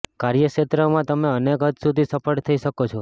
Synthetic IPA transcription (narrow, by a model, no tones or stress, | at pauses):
kaɾjəʃet̪ɾəmãt̪əmeənekɦət̪sud̪ʱisəpʰəɽt̪ʰəiʃəkot͡ʃʰɔ